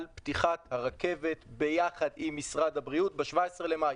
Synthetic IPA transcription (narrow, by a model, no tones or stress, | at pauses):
lptiχat̪haʁake̞ve̞tbe̞jaχad̪imːisʁad̪habʁiutbeʃvaesʁelemaj